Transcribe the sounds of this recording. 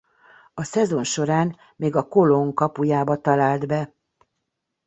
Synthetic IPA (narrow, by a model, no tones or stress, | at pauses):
ɒsɛzo̞nʃo̞ɾaːn | meːɡɒko̞loŋkɒpujaːbɒt̪ɒlaːld̪bɛ